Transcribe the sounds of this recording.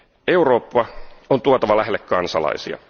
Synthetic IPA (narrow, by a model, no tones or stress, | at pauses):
euro̞ːpːɑont̪uot̪ɑʋɑlæɦelːekkːɑnsɑ̰lɑ̰isḭɑ̰